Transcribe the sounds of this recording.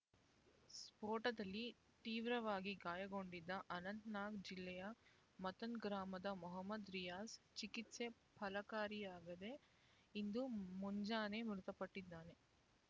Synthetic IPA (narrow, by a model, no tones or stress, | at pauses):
spoːʈɐd̪ɐlːi | t̪iːʋɾɐʋaːɡiɡaːjɐɡo̞ɳɖid̪ːɐʔɐnɐnt̪naːɡd͡ʒilːɛjɐ | mɐt̪ɐnɡɾaːmɐd̪ɐmɔɦɐmːɐd̪ɾijaːst͡ʃikit̪se̞ | pʰɐlɐkaːɾiaːɡɐd̪e̞ | ind̪umuɲd͡ʒaːne̞mɾut̪ɐpɐʈːid̪ːaːne̞